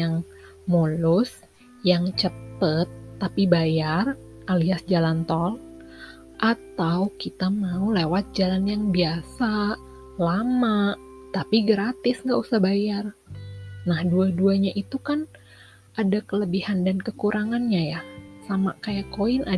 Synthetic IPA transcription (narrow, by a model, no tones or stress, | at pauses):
aŋ | molʊs | jaŋt͡ʃət̪ət̪ːapibajar | ʔaliasd͡ʒalant̪ɔl | ʔat̪awkit̪amaulewat̪̚d͡ʒalanjaŋbiasa | lamaʔt̪apiɡəɾat̪ɪsŋɡaʔusahbajar | nahduaduaɲaʔit̪ukan | ʔadakələbihandankəkuɾʔaŋanɲajasamakajaʔkoɪnʔa